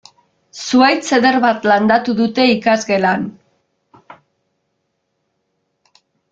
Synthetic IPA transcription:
suajt͡se̞ðe̞ɾβat̪land̪at̪uðut̪e̞ikazɣe̞lan

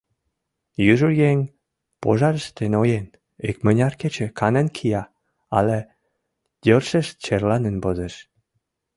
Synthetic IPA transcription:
jyʒujeŋʲ | po̰ʒɑɾəʃt̪enojen | ekmənʲɑrket͡ɕĕkʰɑnənkʰijɑ | ɑ̰le | d̥̪ʲørʃəʃt͡ɕerlɑnənbozeʃ

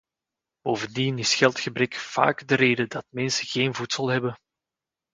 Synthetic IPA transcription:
b̥oːvəndinɪsxɛlˠtxəbɾɛkv̥a̰ːɡdəɾeːdədɑt̚mɛnsəɣeːnvutsəlˠɦɛbə

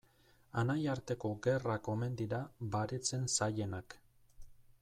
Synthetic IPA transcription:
anajaɾt̪e̞ko̞ɡe̞rako̞me̞nd̪iɾaβaɾet͡se̞nsaje̞nak

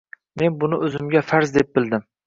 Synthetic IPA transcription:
me̞nbʊnɪʔɵzɪmɡʲafaɾzd̪ep̚bɪld̪ɪm

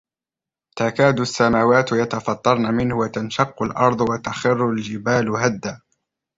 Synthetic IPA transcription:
t̪akaːd̪ʊsːamaːwaːt̪jɑt̪ɑfɑt̪ˤːɑɾˤnamɪnhʊwat̪anʃɑqːʊlʔɑɾˤd̪ˤwat̪axɪrːʊld͡ʒɪbaːlhad̪ːaː

